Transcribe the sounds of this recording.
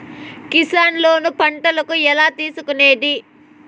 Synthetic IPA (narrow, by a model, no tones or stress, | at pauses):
kisaːnlo̞ːnupɐɳʈɐlɐkuɛlaːt̪iːsukune̞ːd̪i